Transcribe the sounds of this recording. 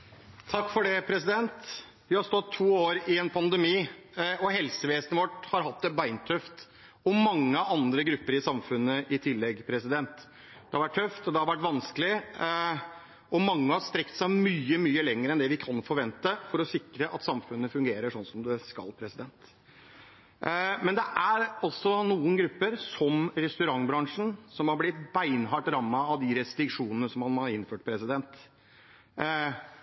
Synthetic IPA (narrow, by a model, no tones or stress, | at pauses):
t̪ʰɑkːfɔɖɛpʰɾɛsɪd̪ɛnt̪ | ʋɪhɑɾst̪ɔt̪ʰːuːoːɾɪɛnpʰɑnd̪əmiːɔɦɛlsəʋeːsnəʋɔʈhɑɾɦɑt̪̚d̪ɛbæɪnt̪ʰœft̪ | ɔmɑŋːəɑnd̪ɾəɡɾʉpːəɾɪsɑmfʉnːəʔɪt̪ʰɪlːɛɡpʰɾɛsɪd̪ɛnt̪ | d̪̥ɛhɑʋæʈ̚ʰœft̪ɔd̪ɛhɑɾʋæʈːʋɑnskəlɪ | ɔmɑŋːəhɑɾst̪ɾɛkt̪sæɪmyːəmyːəlɛŋəɾəɛnd̪ɛʋɪkʰɑnfɔɾʋɛnt̪əfɔɾɔsɪkɾəʔɑ̰t̪sɑmfʉnːəfʉŋɡeːɾəʂɔnːsɔmd̪ɛskɑ̰lːpʰɾɛsɪd̪ɛnt̪ | mɛnd̪ɛʔæɾɔlsɔnuːənɡɾʉpːəɾsɔmɾɛst̪ʉɾɑŋːbɾɑŋʂn̩sɔmhɑɾblɪt̪bæɪnɦɑʈɾɑmːɑɑʋd̪ɪɾɛst̪ɾɪkʂuːnənəsɔmhɑnhɑɾɪnːføːʈpʰɾɛsɪd̪ɛnt̪